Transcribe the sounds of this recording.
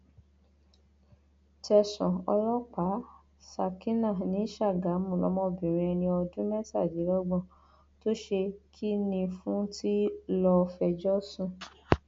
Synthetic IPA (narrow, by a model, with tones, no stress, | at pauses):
tɛ˧sɔ̃˨ɔ̰˧lɔ˦k͡pa˨˦ | sa˧˨ki˦nã˦˨nĩ˨˦ʃa˦˨ɡa˨˦mũ˨lɔ˨˦mɔ̃˦˧bĩ˨ɾ̃ĩ˧ɛ˧nĩ˧ɔ˧dũ˦mɛ˦ta˦˨di˨˦lɔ˦ɡ͡bɔ̃˦˨ | to˦ʃe˧kʰi˦nĩ˧fũ˦tʰi˦lɔ˧fɛ˧d͡ʒɔ˦sũ˦